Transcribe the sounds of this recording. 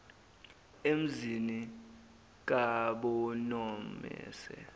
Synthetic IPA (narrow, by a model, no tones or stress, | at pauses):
em̩zini | k̬aɓɔnɔmɛ̰ːsɛ̰